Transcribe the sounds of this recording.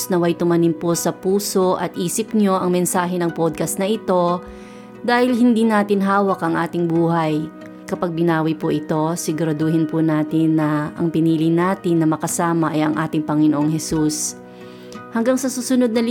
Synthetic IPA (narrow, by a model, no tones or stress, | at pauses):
snɐwɐjt̪ʊmɐnɪmposɐpuːso̞ʔɐ̰t̪̚ʔiːsɪpɲo̞ʔɐŋmɛnsaːɦɛnɐŋpod̪̚kɐsnɐʔɪt̪o̞ | d̪aːhɪlhɪnd̪iːnaːt̪ɪnɦaːwɐkʔɐŋʔaːt̪ɪŋbuːɦɐj | kɐpaɡ̚bɪnaːwɪpʊʔɪt̪o̞sɪɡʊɾɐd̪oːhɪnpʊnaːt̪ɪnːɐʔɐ̰ŋpɪniːlɪnaːt̪ɪnːɐmɐkɐsaːmɐʔɐjɐŋʔaːt̪ɪŋpɐŋɪnoʔoŋɦɛsus | hɐŋɡaŋsɐsuːsʊnod̪̚nɐl